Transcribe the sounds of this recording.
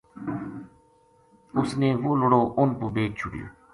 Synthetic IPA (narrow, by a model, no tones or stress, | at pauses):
ʊsneːʋoːlʊɽoːʔʊnpuːbeːk̚d͡ʒʰʱʊɽjo̰ː